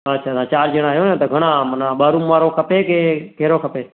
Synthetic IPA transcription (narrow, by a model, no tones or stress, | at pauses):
ətːʃʰaːsãːt͡ʃaːɾd͡ʒəɽ̃ãːɦjõnẽt̪oɡʱəɽ̃ãːmənãːɓaːɾũmʋaːɾokʰəpeːkekeːɾoːkʰəpeː